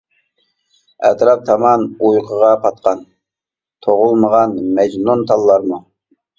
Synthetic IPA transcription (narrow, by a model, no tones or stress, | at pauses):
ɛt̪ɾɑp̚t̪ʰɑmɑnujqʰəʁɑpʰɑt̪̚qʰɑn | t̪ʰoʁʊlˠməʁɑnmɛd͡ʒnunt̪ʰɑlˠːɑɾmu